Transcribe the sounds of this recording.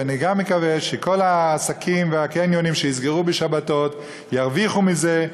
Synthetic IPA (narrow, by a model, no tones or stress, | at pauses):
aniɡamːekaveʃeko̞laːsakʰimveakenjonimʃeizɡeʁubeʃabato̞t | jaʁviχumize